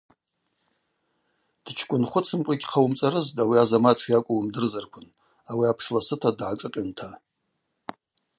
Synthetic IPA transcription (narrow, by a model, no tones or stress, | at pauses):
d̥t͡ʃʰkʷʼʊnχʷʊt͡sʰɨmkʷʼaɡʲʼqʰawumt͡sʼaɾɨztʼawiazamaʈ͡ʂʰjakʷʼʊwmdɨrzarkʷʰʊn | awiapʰʂlasɨtʰadʕakʼɨqʲʼɪntʰa